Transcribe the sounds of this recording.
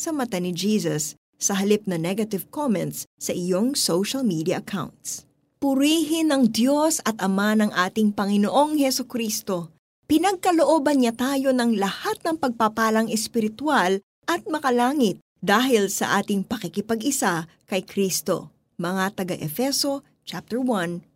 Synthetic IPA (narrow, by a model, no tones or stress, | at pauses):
sɐmɐt̪anɪd͡ʒiːsɐsː | ɐɦɐlip̚nɐnɛɡɐt̪ɪvkomɛnt̪ssɐʔɪjo̞ŋsowʃɐlmid̪iɐʔɐkʰa̰wnt̪s | pʊɾiːɦɪnɐŋd̪jo̞sɐt̪̚ɐmanɐŋʔaːt̪ɪŋpɐŋɪnoʔo̞ŋhɛsokɾiːst̪o̞ | pɪnɐɡ̚kɐlo̞ʔo̞ːbɐnɲat̪aːjo̞nɐŋlɐhat̪̚nɐŋpɐɡ̚papaːlɐŋɛspɪɾɪt̪wal | ʔɐt̪̚mɐkɐlaːŋɪt̪̚ | d̪aːɦɪlsɐ̰ʔaːt̪ɪŋpɐkɪkɪpɐɡɪsa | kɐjkɾist̪o̞̰ | mɐŋat̪ɐɡaʔɛfɛso̞ | t͡ʃap̚t̪ɛɹwɐn